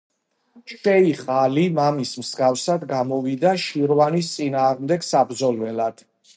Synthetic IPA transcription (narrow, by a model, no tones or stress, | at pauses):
ʃɛiχʼalimamismsɡafsad̪ɡamɔvid̪aʃiɾvanist̪sʼinaːʁmd̪ɛɡsabɾd̪zɔlvɛlad̪̥